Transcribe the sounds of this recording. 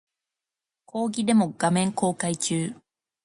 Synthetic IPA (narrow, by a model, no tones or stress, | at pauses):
kʰo̞ːɡʲid̪e̞mo̞ɡ̥amẽ̞ŋko̞ːkait͡ɕɨː